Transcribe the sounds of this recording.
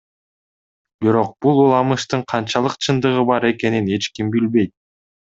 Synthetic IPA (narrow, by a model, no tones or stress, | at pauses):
biɾo̞q̚b̥ulˠulˠɑmɯʃt̪ɯɴqʰɑnt͡ʃɑlˠɯqt͡ʃʰɯnd̪ɯʁɯbɑɾe̞ke̞nine̞t͡ʃkimbilβe̞jt̪̚